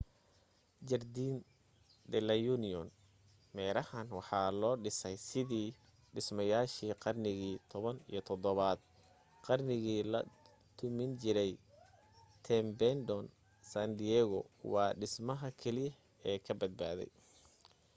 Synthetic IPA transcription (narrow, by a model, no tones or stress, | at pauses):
d͡ʒɐrd̪iːn | d̪ɛlɐjunɪɔn | mɛːɾɐhɐnwɑħɑːlɔːɖɪsɛjsɪðiː | ɖɪsmɐjaːʃiːqɑrnɪɣiːt̪ʰɔβɐnḭjɞt̪ʰɔd̪ɔβaːd̪̚ | qɑrnɪɣiːlɐ̰ | t̪ʰʊmɪnt͡ʃɪɾɛj | t̪ʰɛmbɛnd̪ɔn | sand̪iɛːɣɔwɑːɖɪsmɐɦɐkʰɛlɪjɐ | ɛːkʰɐbɐd̪̚ba̰ːðɛ̰j